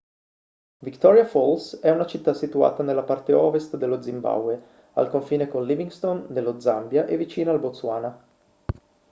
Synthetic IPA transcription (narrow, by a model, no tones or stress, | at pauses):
vikt̪ɔɾjafolsɛunat͡ʃit̪ːasːit̪ua̰ːt̪anelːapart̪eɔːvest̪d̪elːod̪zimba̰wwe | a̰lkoɱfiːnekonliviŋɡst̪ond̪elːod̪zambjaʔevːit͡ʃiːnaːlbot̪suaːna